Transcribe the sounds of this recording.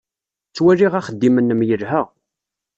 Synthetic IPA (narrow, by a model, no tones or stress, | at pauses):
t͡sːwæɾiʁaχəd̪ːimənːəmjəlɦæ